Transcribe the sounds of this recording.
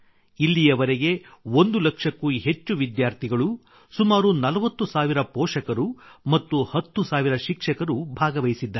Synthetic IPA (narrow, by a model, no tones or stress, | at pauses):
ilːijɐʋɐɾeɡe̞ond̪ulɐkʂɐkːuɦe̞t͡ʃːuʋid̪jaːɾt̪ʰiɡɐɭu | sumaːɾunɐlɐʋɐt̪ːusaːʋiɾɐpɔːʂɐkɐɾumɐt̪ːuhɐt̪ːusaːʋiɾɐʃikʂɐkɐɾubʱaːɡɐʋɐjisid̪ːɐ